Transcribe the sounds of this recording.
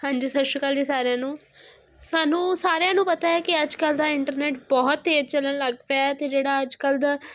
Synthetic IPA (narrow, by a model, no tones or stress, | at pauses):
hãːɲd͡ʒiːsəʃəkəliːsaːɾejãːnũː | saːnũːsaːɾejãːnũːpət̪aːɛːkɪəd͡ʒkəld̪aːɪɳʈəɾneːʈbɔːt̪ːeːɾt͡ʃələnləɡʋaɛt̪eːd͡ʒeːɽaːəd͡ʒkəld̪aː